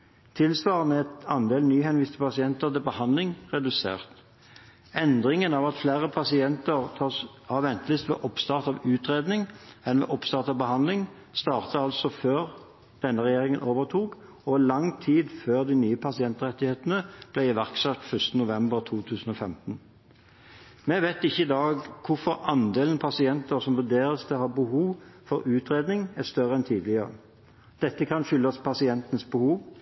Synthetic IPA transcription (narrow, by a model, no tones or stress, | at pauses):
t̪ʰɪlsʋɑːʁənəɛt̪ɑnd̪eːlnyːhɛnʋiːst̪ʰəpʰɑsɪɛnt̪əʁt̪ɪbəhɑnd̪lɪŋʁɛd̪ʉsḛːʁt̪ | ɛnd̪ʁɪŋənɑʋɑt̪flæːʁəpʰɑsɪɛnt̪əʁt̪ʰɑːs | ɑʋɛnt̪lɪst̪ʋḛːʔɔpst̪ɑːʁt̪ɑʋʉːt̪ʁeːd̪nɪŋɛnʋḛːʔɔpst̪ɑːʁt̪ɑʋbəhɑnlɪŋ | st̪ɑːʁt̪əɑlsɔføːʁ | d̪̥ɛnːəʁɛjeːʁɪŋənʔoːʋəʁt̪ʰuːk | ɔlɑŋt̪ʰiːd̪føːʁd̪ɪnyːəpʰɑsɪɛnt̪ʁɛt̪ːɪheːt̪ənəb̥lɛɪɪʋæʁksœt̪fœst̪ənʊʋɛmbəʁt̪ʰuːt̪ʰʉːsən̩ɔfɛmt̪n̩ | mɛʋeɪt̪ɪçːəɪd̪ɑːɡkʰʊfɔɾɑnd̪eːlnpʰɑsɪɛnt̪əʁsɔmʋʉd̪eːɾəsd̪ɛhɑːbəhuːʋfɔɾʉːt̪ʁeːd̪nɪŋæst̪œʁəɛnt̪ʰiːd̪lɪəʁə̰ | d̪̥ɛt̪ːəkʰɑnʃʏlːɑspʰɑsɪɛnt̪ənsbəhuːʋ